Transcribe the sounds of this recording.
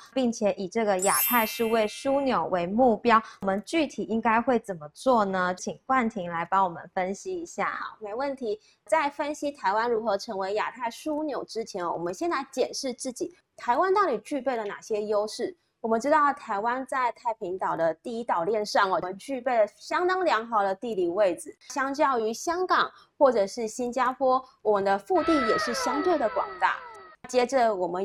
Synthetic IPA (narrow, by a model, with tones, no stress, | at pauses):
pi˥˩ŋt͡ɕʰjɛ˨˥ʔi˨˩ʈ͡ʂɤ˥˩ɡə˩ja˨˩t̪ʰa˥˧ɪʂɻu˥˧we˥˩ɪʂu˥njo˨˩ʊwe˧˥ɪmu˥˩pjɑ˥ʊ˨˩mə˨˦nt͡ɕy˥˩t̪ʰi˨˩i˦˥ŋka˥ɪxwe˥˩ɪt͡sə˨˩nmə˦t͡swɔ˥˩nə˩t͡ɕʰi˨˩ŋxwa˥˩nt̪ʰi˧˥ŋla˧˥ɪpɑ˧˥ŋwɔ˨˩mə̰˧˦nfə˥nɕi˥i˧˥ɕja̰˥˩me˧˥ɪwə˥˩nt̪ʰi˧˥ | t͡sa˥˩ɪfə˥nɕi˥t̪ʰa˧˥ɪwa˥nɻu˧˥xɤ˧˥ʈ͡ʂʰɤ˧˥ŋwe˧˥ɪja̰˨˩t̪ʰa˥˩ɪʂu˥njo˨˩ʊʈ͡ʂɻ̩˥t͡ɕʰjɛ˧˥nɔ̰˨wɔ̰˨˩mə˦nɕjɛ˥˧nt͡sa˥˩ɪt͡ɕjɛ˨˩nʂɻ̩˥˧t͡sɹ̩˥˩t͡ɕi˨˩˦ | t̪ʰa˧˥ɪwa˥nt̪a˥˩li˨˩t͡ɕy˥˧pe˥˩ɪlə˩na̰˨˩ɕjɛ˥jo˥ʊʂɻ̩˥˩ | wɔ˨˩mə˨˦nʈ͡ʂɻ̩˥t̪ɑ˥˩ʊt̪ʰa˧˥ɪwa˥nt͡sa˥˧ɪt̪ʰa˥˩ɪpʰi˧˥ŋt̪ɑ˨˩ʊd̪ə˦t̪i˥˧i˥t̪ɑ˨˩ʊljɛ˥˧nʂɑ˥˩ŋɔ˩mə˦nt͡ɕy˥˧pe˥˩ɪlə˩ɕjɑ˥ŋt̪ɑ˥ŋljɑ˧˥ŋxɑ˧˥ʊd̪ə˧t̪i˥˧li˥˩we˥˩ɪd͡zɹ̩˨˩ɕjɑ˥ŋt͡ɕjɑ˥˩ʊy˧˥ɕjɑ˥ŋkɑ˨˩ŋ | xwɔ˥˩ʈ͡ʂɤ˨˩ʂɻ̩˥˩ɕi˥nt͡ɕja˥pʰwɔ˥wɔ˨˩mə˧˦nd̪ə˧fu˥˧t̪i˥˩njɛ˨˩ʂɻ̩˥˩ɕjɑ˥ŋt̪we˥˩ɪd̪ə˩kwɑ̰˨˩ŋt̪a̰˥˩t͡ɕjɛ˥ʈ͡ʂə˨wɔ˨˩mə˦